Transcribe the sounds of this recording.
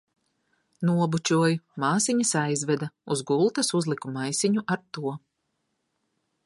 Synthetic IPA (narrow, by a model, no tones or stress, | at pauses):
nuɔbut͡ʃʲuɔjmaːsiɲasajzvɛd̪auzɡulˠt̪ɐsuzlˠikumajsiɲuʔaɾt̪uɔ